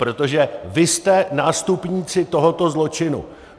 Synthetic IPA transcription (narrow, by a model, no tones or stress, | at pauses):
pɾo̞t̪o̞ʒɛvɪst̪ɛnaːst̪upɲiːt͡sɪt̪oɦot̪o̞zlo̞t͡ʃɪnṵ